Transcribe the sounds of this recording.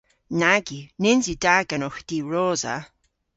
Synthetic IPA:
naɡinɪnzidaɡanɔxd̪̥iːɹoːza̰

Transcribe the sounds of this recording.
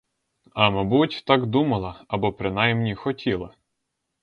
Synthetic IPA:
ɐmɐbutʲt̪ɑɡd̪umɐlˠɐɐbɔpɾɪnɑjmnʲixɔtʲilˠɐ

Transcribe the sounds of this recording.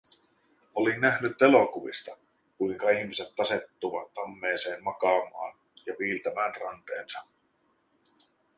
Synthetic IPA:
o̞linːæhnyt̪ːe̞lo̞kuʋḭst̪ɑ | kujŋkɑiçmise̞t̪ːɑse̞t̪ːuʋɑt̪ːɑmːe̞ːse̞ːnmɑkɑːmɑ̰ːn | jɑʋiːlt̪æmæːnrɑnt̪e̞̰ːnsɑ

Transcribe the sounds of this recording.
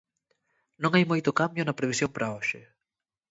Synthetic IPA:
nõŋajmojt̪ʊkambjʊnɐpɾeβisjoŋpɾɐoʃɪ

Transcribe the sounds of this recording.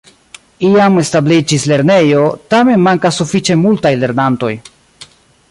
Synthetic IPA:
iame̞stablid͡ʒisle̞ɾne̞jo̞tame̞nmaŋkasːufit͡ʃe̞multajle̞ɾnanto̞j

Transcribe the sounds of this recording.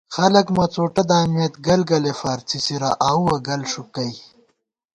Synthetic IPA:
xɐlɐkmɐt͡soːʈɐd̪aːmjɐt̪ɡɐlɡɐlefaːɾt͡sʰisiɾaʔaːuwɐɡɐlʂukɐj

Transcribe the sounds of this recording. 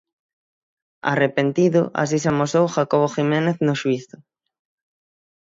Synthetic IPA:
a̰repent̪iðʊ̰ʔa̰s̬is̬amosowxakoβ̞oximeneθnoʃwiθʊ

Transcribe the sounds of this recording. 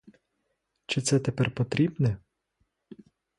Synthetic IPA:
t͡ʃɪt̪sɛt̪epɛrpɔt̪ɾʲibnɛ

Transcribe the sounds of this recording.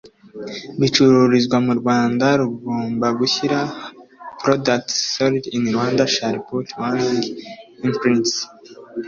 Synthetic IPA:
βit͡ʃuɾuɾizɡwamuɾɡwaːndaɾuɡuːmbaɡuçiɾa | pɾodak̚tsoɾidiniɾwaːndaʃaɾpotwaniŋɡimpɾins

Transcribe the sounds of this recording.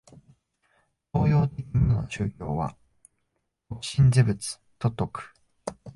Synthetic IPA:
t̪o̞ːjo̞ːt̪e̞kʲiɲʲinoɕɨːkʲo̞ːβa̰ | kokɯ̟̥ɕĩnd͡zebɯ̟t͡sɨ̥ | t̪o̞t̪ːo̞kɯ̟̥

